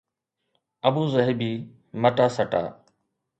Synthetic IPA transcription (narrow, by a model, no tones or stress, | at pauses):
əbuːzəɦebiː | məʈaːsəʈa̰ː